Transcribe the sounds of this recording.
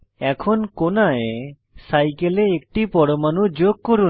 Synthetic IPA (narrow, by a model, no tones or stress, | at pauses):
ɛkʰɔnkonae | sajkeleːkʈipɔɽɔmanud͡ʒoɡ̚kːɔɾu